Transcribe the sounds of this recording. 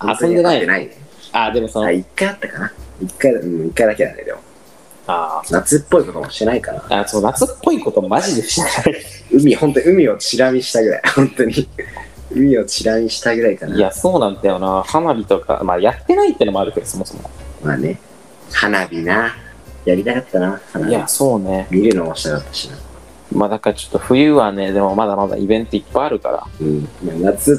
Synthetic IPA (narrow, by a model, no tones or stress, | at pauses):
ãasond̪e̞naienainead̪e̞mo̞sonoaikːaat̪ːakanaikːaiɯ̟̃ikːaid̪akeã̰nd̪ḛd̪e̞̰mo̰ | aːnat͡sɨpːo̞iko̞t̪omoɕi̥t̪e̞naikana̰a̰sononat͡sɨpːo̞iko̞t̪o̞maʑid̪eɕiaɯ̟mʲihont̪oɲiɯ̟mʲio̞t͡ɕiɾamʲiɕi̥t̪aɡɯ̟ɾa̰ihõ̞nt̪o̞ɲ̟i | ɯ̟mʲio̞t͡ɕiɾamʲiɕi̥t̪aɡɯ̟ɾaikanaiaso̞ːnãnd̪ajo̞nahanabʲit̪o̞ka̰majat̪ːe̞nait̪ːe̟naɾɯ̟ke̞d̪oso̞mo̞somo̞̰ma̰ːne | hanabʲina | jaɾʲit̪akat̪ːanahanajaso̞ːne̞mʲiɾɯnoβaɕi̥akat̪ːḁɕina | mad̪akaat͡ɕo̞̥t̪ːo̞ɸɯ̟jɯ̟ːβane̞d̪e̞mo̞mad̪amad̪a̰ʔibẽ̞nt̪o̞ipːajaɾɯ̟ka̰ɾa̰ɯ̃ːmaːnat͡sɨ